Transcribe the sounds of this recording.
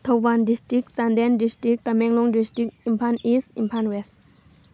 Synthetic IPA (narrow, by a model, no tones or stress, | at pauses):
t̪ʰowbandisʈɹik̚sand̪ɛndisʈɹik̚t̪amɛŋlɔŋdisʈɹik̚impʰanisimpʰanwɛst